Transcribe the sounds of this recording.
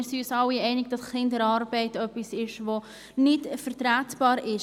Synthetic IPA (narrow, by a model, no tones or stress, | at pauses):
ɾsiysɑlːiɛɪnɪɡ̚d̥ɑsχɪndəɾɑɾbɛɪtœpːisɪʃʋo | nɪtfəɾtɾæːtb̥ɑːɾɪʃ